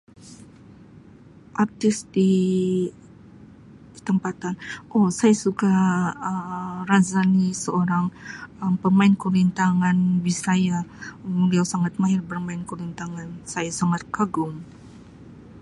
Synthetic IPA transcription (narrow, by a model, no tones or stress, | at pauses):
ʔart̪ɪsdi | t̪əmpat̪anʔosajasukaəmrazanisəoɾaŋəmpərmaɪnkuɾint̪aŋanbisajambəliawsaŋat̪̚maɦɪrbərmaɪnkuɾint̪aŋansajasaŋat̪̚kaɡʊŋ